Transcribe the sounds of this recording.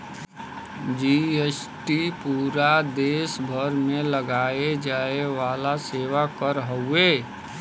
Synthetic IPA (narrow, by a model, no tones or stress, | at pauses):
d͡ʒies | ʈipuːɾad̪eːsbʱəɾmẽləɡaːed͡ʒaːeʋaːlaseːʋakəɾɦəueː